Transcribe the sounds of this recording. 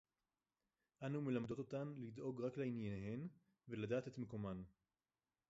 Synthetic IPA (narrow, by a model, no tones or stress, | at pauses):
ʔanume̞lamd̪o̞t̪o̞t̪anlid̪ʔo̞ɡʁakleinjaneɦe̞n | ve̞lad̪aːte̞t̪meko̞man